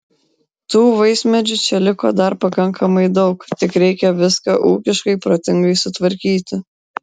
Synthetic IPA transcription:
t̪uːʋɐɪsʲmʲɛd͡ʒʲʊt͡ʃʲɛlʲɪko̰ːd̪ɐɾpɐkɐŋkɐmɐɪd̪ɒʊkt̪ʲɪkɾʲɛɪkʲɛʋʲɪskɑʔṵːkʲɪʃkɐɪpɾoːt̪ʲɪŋɡɐɪsʊt̪ʋɐɾʲkʲiːt̪ʲɪ

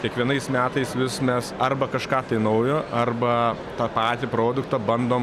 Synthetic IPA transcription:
kʲiɛkʋʲiɛnɐɪsmʲæːt̪ɐɪsʋʲɪsmʲɛsɐrbɐkɐʃkɑːt̪ɐɪnɐʊjoʔɐrbɐ | t̪ɑːpɑːt̪ʲɪpɾoːd̪ʊkt̪ɐbɐnd̪oːm

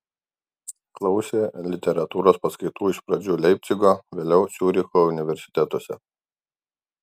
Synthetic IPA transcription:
klˠɐʊsʲeːlʲɪt̪ʲɛɾɐt̪uːɾoːspɐskɐɪt̪uːɪʃpɾɐd͡ʒʲuːlʲɛɪp̚ʲt̪sʲɪɡoʋʲeːlʲɛʊsʲuːɾʲɪkoʊnʲɪʋʲɛɾʲsʲɪ̥t̪ʲɛt̪osʲɛ̰

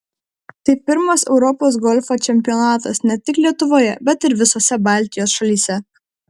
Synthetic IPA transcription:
t̪ɐɪpʲɪɾmɐsɛʊɾɔpoːs̬ɡɔlʲfoːt͡ʃʲɛmʲpʲɪjɔːnɑːt̪ɐsnʲɛt̪ʲɪklʲiɛt̪ʊʋoːjɛbʲɛt̪ɪɾʋʲɪsoːsʲɛbɑˑlʲˑt̪ʲɪjoːsʃɐlʲiːsʲɛ

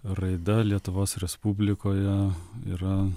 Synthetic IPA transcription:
ɾɐɪd̪ɐlʲiɛt̪ʊʋoːsɾʲɛspubʲlʲɪkoːjɛiːɾɐ

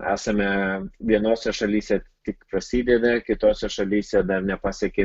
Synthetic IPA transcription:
æ̰ːsɐmʲɛʋʲiɛnoːsʲɛʃɐlʲiːsʲɛt̪ʲɪkpɾɐsʲiːd̪ʲɛd̪ɐkʲɪt̪oːsʲɛʃɐlʲiːsʲɛd̪ɐrnʲɛpɑːsʲɛkʲe

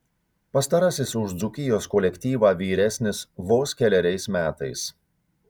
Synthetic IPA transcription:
pɐst̪ɐɾɐsʲɪsʊʒd̪zʊkʲɪjoːskɔlʲɛkʲt̪ʲiːʋɑːʋʲiːɾʲɛsʲnʲɪsʋoːskʲɛlʲɛɾʲɛɪsmʲæːt̪ɐɪs

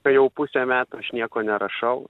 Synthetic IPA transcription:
ɐjɛʊpʊsʲemʲæːt̪uɐʃnʲiɛkoːnʲɛɾɐʃɐʊ

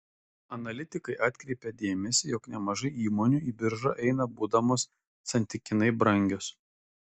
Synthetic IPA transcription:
ɐnɐlʲɪt̪ʲɪkɐɪʔɑːt̪ʲkɾʲɛɪpʲɛd̪ʲeːmʲɛsʲɪjɔknʲɛmɐʒɐɪiːmoːnʲuːˑiːbʲɪɾʒɐʔɛɪnɐbuːd̪ɐmoːsː | ɐnʲt̪ʲɪkʲɪnɐɪbɾɐŋʲɡʲos

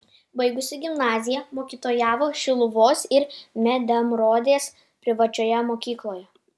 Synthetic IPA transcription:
bɐɪɡʊsʲɪɡʲɪmnɑːzʲɪjɛmoːkʲiːt̪oːjæːʋoːʃʲɪlˠʊʋoːsɪɾmʲɛd̪ʲɐmɾoːd̪ʲeːs | pʲɾʲɪʋɐt͡ʃʲoːjɛmoːkʲiːklˠoːjɛ

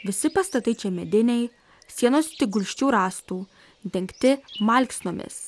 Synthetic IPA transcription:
ʋʲɪsʲɪpɐst̪ɐt̪ɐɪt͡ʃʲɛmʲɛd̪ʲɪnʲɛɪ | sʲiɛnoːst̪ʲɪɡʊlʲʃʲt͡ʃʲuːɾɑːst̪uː | d̪ʲɛŋʲkʲt̪ʲɪmɐˑlʲksnoːmʲɪ̰s

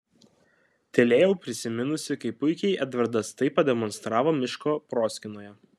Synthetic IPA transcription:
t̪ʲɛlʲeːjɛʊpʲɾʲɪsʲɪmʲɪnʊsʲɪkɐɪpʊɪkʲɛɪʔɛd̪ʋʲɐɾd̪ɐst̪ɐɪpːɐd̪ʲɛmɔnst̪ɾɑːʋoːmʲɪʃkoːpɾoːsʲkʲɪnoːjɛ

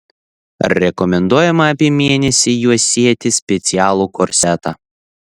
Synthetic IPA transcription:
ɾʲɛkɔmʲɛnd̪uɔjɛmɐɐpʲiːmʲeɛnʲɛsʲiːjuɔsʲiɛt̪ʲɪsʲpʲɛt̪sʲɪjæːlˠuːkɔɾʲsʲɛt̪ɑː

